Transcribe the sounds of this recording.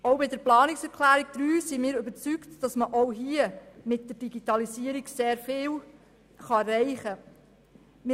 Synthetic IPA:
oʊbɪdəɾplɑːnɪksɛɾkʰlæːɾiɡ̚d̥̪ɾyːsimɪːɾøbəɾt͡syktd̥ɑsməʔowɦiəmɪt̚d̥əɾd̥iɡitɑlisiːəɾiɡseːɾfɪːl | χɑrɛɪχə | m

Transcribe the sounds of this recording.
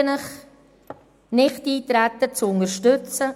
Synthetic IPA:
ənəχ | nɪχtiːtɾætət͡sʊŋəʃtʏt͡sə

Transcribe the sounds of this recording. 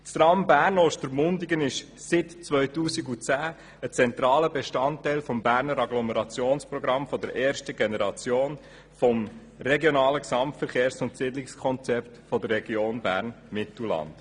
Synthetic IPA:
tstɾɑmbæːɾnoːʃtəɾmʊndiɡənɪʃ | sɪtt͡sʋœʏtuːsiɡut͡sæː | ət͡sɛnt̪ɾɑːləbeʃtɑntːɛɪlfɔmbæːɾnəɾɑɡlɔmɛɾɑt͡sjoːnspɾɔɡɾɑmfɔd̪əɾʔɛːɾʃtəɡenɛɾɑt͡sjoːn | fɔm | rɛɡjɔnɑːləksɑmtfəɾχeːɾsʊntsɪdlɪkskʰɔnt͡sɛptfɔdərːɛɡ̥joːnbæ̰ːɾn | mɪtl̩lɑ̰nd

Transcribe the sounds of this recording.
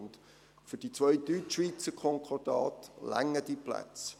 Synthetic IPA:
nt | fʏd̥it͡sʋœʏtyʋiːt͡səkʰɔŋkʰɔrd̥ɑːtlæ̰ŋːəd̥ipʰlæ̰t͡s

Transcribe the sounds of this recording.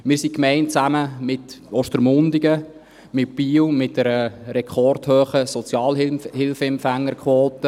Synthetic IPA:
mɪːɾsikmɛɪntt͡sæməmɪtɔʃtəɾmʊndiɡə | mɪt̚piːwmɪt̚dɛɾəɾɛkʰɔrthøːχəsɔt͡sjɑːlɪhɪlfəɛmpfæŋːəɾkʰwoːtə

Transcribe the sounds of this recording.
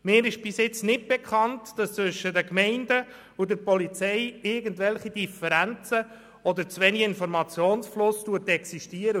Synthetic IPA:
mɪːɾɪʃb̥ɪsɪt͡snɪt̚b̥ɛkχɑntd̥ɑst͡svʏʃːədəkmɛɪndə | ʊdəɾpɔlit͡sɛɪɪɾɡəntvɛlχid̥ifəɾænt͡sə | ɔd̪əɾt͡svɛniɪnfɔɾmɑt͡sjoːnsflʊstuətɛksiʃtiəɾə

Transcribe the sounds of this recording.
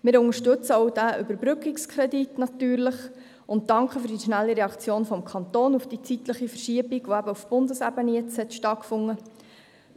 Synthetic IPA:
mɪːɾʊŋəʃtɵt͡səɔwd̥æʔʏbəɾbɾʏkikskʰɾɛditnɑtyːɾləχ | ʊnt̚d̥ɑŋkχəfʏɾd̥iʃnælːiɾɛɑkt͡sjoːnfɔmkʰɑntoːnufd̥it͡sit̪ləχifərʃiəbiɡ̥ʋoæbəufb̥ʊndəsæbəniɛt͡shɛtʃtɑt̚kfʊŋːə

